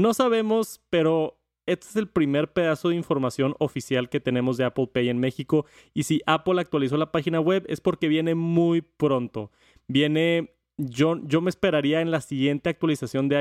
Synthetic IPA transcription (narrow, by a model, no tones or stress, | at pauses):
no̞saβe̞mo̞spe̞ɾo̞ | e̞st̪eese̞lpɾime̞ɾpe̞ðaso̞ð̞eiɱfo̞ɾmasjo̞no̞fisjalke̞t̪e̞nẽ̞mo̞zðe̞aplpeje̞nme̞xiko̞ | isiʔapolak̚t̪walis̬o̞lapaxinawe̞βe̞spo̞ɾke̞βje̞ne̞mujpɾo̞nt̪o̞ | bje̞ne̞ | ʝo̞ʝo̞mespe̞ɾaɾiae̞nlasiɣje̞nt̪e̞ak̚t̪walisasjo̞nd̪ea